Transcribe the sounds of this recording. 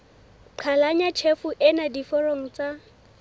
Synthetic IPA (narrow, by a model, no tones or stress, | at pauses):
ǃʰalaɲat͡ʃʰefʊʔɪnadifɔroŋ̩t͡sa